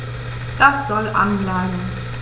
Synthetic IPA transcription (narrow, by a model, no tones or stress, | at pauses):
d̥asz̥ɔlʔa̰nlaən